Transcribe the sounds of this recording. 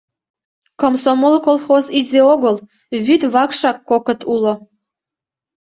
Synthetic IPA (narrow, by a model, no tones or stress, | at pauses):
komsomolˠkolˠxozizeoɣəlˠ | βyt̪βɑkʃɑkːokə̆t̪ʰulˠŏ